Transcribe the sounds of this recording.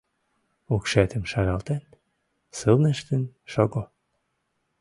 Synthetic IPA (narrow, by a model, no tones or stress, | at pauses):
ukʃæt̪ə̆mʃɑɣɑlt̪en | sɨlneʃt̪ənʃoɣo